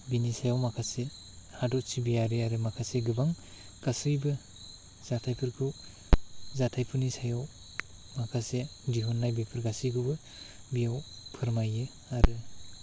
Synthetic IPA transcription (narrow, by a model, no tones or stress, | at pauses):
binisajawmakʰase | hadɔʔ̚sibijaɾɯaɾɯmakʰaseɡɯbaŋ | ɡ̥asɯjbɯ | z̥atʰajpʰɯɾkʰɯ | zatʰajpʰɯɾnisajaw | makʰasediɦunːajbepʰɯɾɡasiɡʰubɯ | bijawpʰɯɾmajɯ | aɾɯ